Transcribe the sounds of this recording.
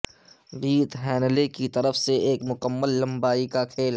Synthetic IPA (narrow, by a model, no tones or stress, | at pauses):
ɾiːt̪ɦɛːnlekit̪ɐɾəfseeːkmʊkəmːəlːɐ̃mbaːikakʰeːl